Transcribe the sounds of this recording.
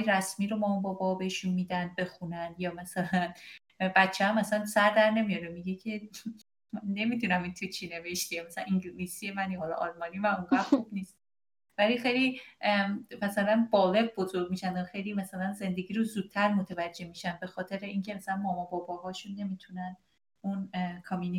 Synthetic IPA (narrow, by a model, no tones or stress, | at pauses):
jɾæsmiːɾomɒːmɒbɒːbɒɒbeʃunmiːd̪ænd̪̚be̞xunænjɒːmæsælæn | bæt̪t͡ʃʰeæmæsænsæɾd̪æɾne̞mijɒɾemiɡecʰe̞ | mænːe̞mit̪unæmint̪ʰut͡ʃʰine̞veʃt̪iemæsææ̰niŋɟilisijemænjhɒlɒ̰ʔɒlmɒːnimæmoŋɡæχub̥niːst̪ | vælixe̞jli | mæsælænbɒːle̞ɡ̚bo̞zo̞ɾɡmiʃænd̪ɒxe̞jlimæsælænze̞nd̪e̞ɡʲiːɾozuːd̪̥̚t̪ʰæɾmot̪ʰevæd͡ʒːe̞hmiʃænd̪̚be̞xɒːt̪ʰe̞ɾeiŋcʰe̞mæsælænmɒːmɒːbɒːbɒːɦɒːʃunːe̞mit̪ʰunæn | unkʰɒmini